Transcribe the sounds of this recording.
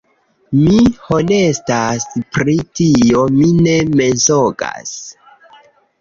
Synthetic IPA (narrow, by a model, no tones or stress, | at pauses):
mihonestaspɾitio̞mine̞me̞zoɡa̰s